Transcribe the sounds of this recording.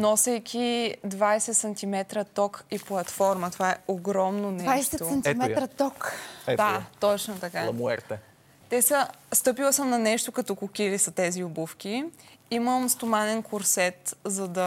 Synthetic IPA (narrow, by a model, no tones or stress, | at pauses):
nɔsɛjkʰʲid̪vajsɛt̪sɐnt̪imɛt̪ɾɐt̪ɔkiplˠɐt̪fɔɾmɐt̪ovaɛoɡɾɔmnonɛajʃsɛt̪ont̪mɛt̪ɾɐt̪ɔkɛd̪at̪ɔt͡ʃnot̪ɐkaɐmuɛ̰ɾt̪ɛ | t̪ɛsəst̪ɤpilˠɐsəmnɐnɛʃt̪okɐt̪ɔkʊkʲilisɐt̪ɛziʊbufk̟ʲiiməmst̪omanɛnkʊɾsɛt̪zɐd̪ɐ